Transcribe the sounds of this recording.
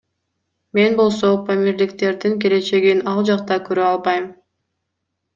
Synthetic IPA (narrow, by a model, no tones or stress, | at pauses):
me̞nbo̞lˠso̞pʰamiɾlikt̪e̞ɾd̪iŋk̬ele̞t͡ʃe̞ɡinɑlˠd͡ʒɑq̚t̪ɑkøɾøɑlˠbɑjm